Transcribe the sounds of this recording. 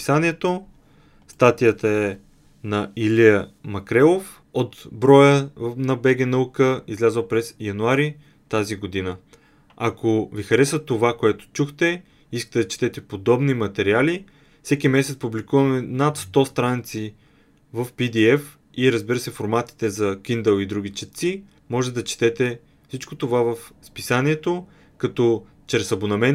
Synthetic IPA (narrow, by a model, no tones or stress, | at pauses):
saniɛt̪o | st̪at̪ijət̪əɛ | nɐilijəmɐkɾɛlˠof | ot̪bɾɔjənɐbɛɡʲɛnɐukəizlʲazəlˠpɾɛsjɐnuaɾi | t̪aziɡod̪inə | akovixɐɾɛsət̪ovakoɛt̪o̥t͡ʃuxt̪ɛ | iskə̥t̪ɛd̪ɐt͡ʃɛ̥t̪ɛt̪ɛpod̪ɔbnimɐt̪ɛɾiali | fsɛkimɛsɛt̪spublikuvɐmɛnat̪st̪ɔst̪ɾanit̪si | vəfpid̪iɛf | iɾəzbiɾəsɛfoɾmat̪i̥t̪ɛzɐkind̪ɛlˠid̪ɾuɡ̟it͡ʃɛt̪t̪si | mɔʒɛt̪ɛd̪ɐt͡ʃɛ̥t̪ɛt̪ɛ | fsit͡ʃkot̪ovavəfspisaniɛt̪o | kɐt̪ɔ | t͡ʃɾɛsɐbonɐmɛn